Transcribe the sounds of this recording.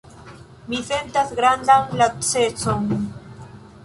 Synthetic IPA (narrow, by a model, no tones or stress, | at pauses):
miθent̪aθɡɾand̪aŋlat͡set͡soŋ